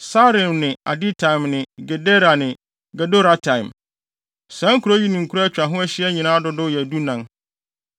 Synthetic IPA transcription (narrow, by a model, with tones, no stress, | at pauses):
sa˦ɾɪ̃˨mnɪ̃˨a̰˨di˦tʰã˨ɪ̃˨mnɪ̃˨ɡɛ˨de˦ɾa˨nɪ̃˨ | ɡɛ˨do˦ɾa˨tʰã˨ɪ̃˨m | sã˨˦ŋ̩˦kʰu˨ɾo˦ji˦nũ˨ŋ̩˨kʰu˦ɾt͡ɕᶣa˨ɦʊ̃˦æ˦ɕɪ˦ɛ˦ɲĩ˨nãː˦dʊ˦dʊ˦˨jɛ˨du˦nã˨n